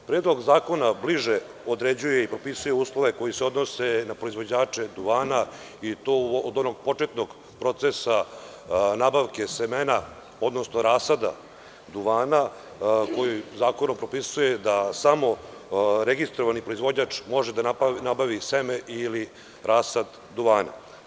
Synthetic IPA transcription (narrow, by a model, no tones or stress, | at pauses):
pɾeːd̪lˠo̞ɡzaːko̞nabliʐe | od̪ɾed͡ʑuje̞ipɾo̞pisuje̞uːslˠo̞ʋeko̞jiseo̞d̪no̞se̞napɾo̞izʋo̞d͡ʑaːt͡ʂe̞d̪uʋaːna | it̪oːod̪o̞noɡ̚po̞t͡ʂet̪no̞ɡ | pɾo̞t̪sesa | nabaʋke̞semena | o̞d̪no̞snoɾaːsad̪a̰ | d̪uʋaːna | ko̞jizaːko̞no̞mpɾo̞pisuje̞d̪asamo̞ɾeɡist̪ɾoʋanipɾo̞izʋo̞d͡ʑɲat͡ʂmo̞ʐed̪anabaʋisemeʔili | ɾʔaːsad̪ːuʋaːna̰